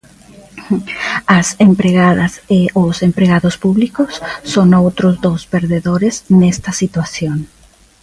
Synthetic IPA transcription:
ɐsempɾeɣaðɐseʊsempɾeɣaðʊspuβlikʊsːoŋowt̪ɾʊzd̪ospeɾðeðoɾeznɛst̪ɐsit̪wasjoŋ

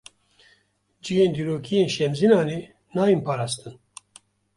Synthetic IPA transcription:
d͡ʒijeːnd̪iːɾoːkʰijeːnʃɛmzinɑːneː | nɑːjinpɑːɾɑːst̪ɨn

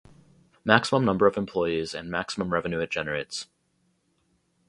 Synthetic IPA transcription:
mæksəmə̃mnʌ̃mbə˞ʌvɨ̃mpʰl̥ɔɪizɨ̃nmæksəmə̃mɹɛvɨ̃nʉɨ̥ʒ̥ɛnə˞eɪts

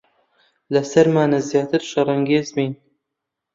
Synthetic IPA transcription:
lɐsɐɾmaːnazjaːt̪ʰɨɾʃɐɾˤɐŋɡeːzmiːn

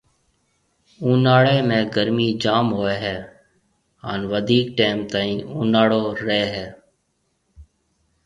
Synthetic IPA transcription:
ũːnaːɽeːmẽːɡəɾmiːd͡ʒaːmɦoːeːɦɛː | ɦa̰ːnʋəd̪ʱiːk̚ʈeːmt̪aːĩːũːnaːɽoːɾeeːɦɛː

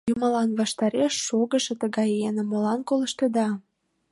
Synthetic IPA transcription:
jumɑlɑnβɑʃt̪ɑɾeʃːoɣəʃĕt̪əɣɑjenə̆molɑnkolə̆ʃt̪ed̪ɑ

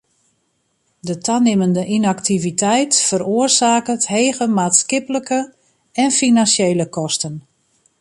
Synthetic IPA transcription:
dətʰanɪməndəʔinaktʰivitɛjtfəɾoərsaːkətheːɣəmaːtskɪpələkə | ɛnfinansejləkɔstən

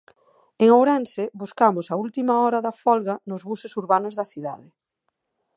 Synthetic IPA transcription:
eŋowɾɛnsɪbuskamʊsɐult̪imɐɔɾɐðɐfɔlɣɐnʊzβusɪsuɾβanʊzðɐθiða̰ðɪ

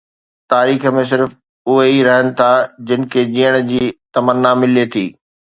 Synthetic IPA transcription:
t̪aːɾiːxə̆mẽs̬ɪɾf | ʊɦeiɾɐɦənɪ̆t̪ʰad͡ʑɪnɪ̆kʰed͡ʑiːəɽ̃d͡ʑiːt̪ɐmənːamɪlet̪ʰiː

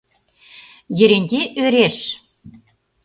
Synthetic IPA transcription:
jɘ̆ɾenʲd̪ʲeʔøɾeʃ

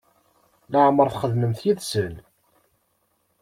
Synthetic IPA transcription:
ləʕmːəɾˤθχəðnəmθjiðsən

